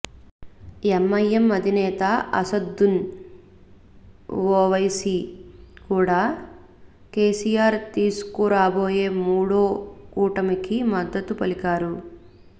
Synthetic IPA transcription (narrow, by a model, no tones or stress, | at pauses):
emːɐjɐmːɐd̪ʱinɛːt̪aɐ̰sɐd̪ːun | oːʋɐjsikuːɽaː | keːsijaːɾt̪iːsu̥kuɾaːboːje̞ːmuːɽoːkuːʈɐmikimɐd̪ːɐt̪upɐlikaːɾu